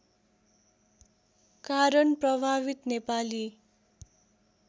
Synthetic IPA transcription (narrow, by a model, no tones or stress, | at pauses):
kaɾʌnprʌbʱaβit̪nepali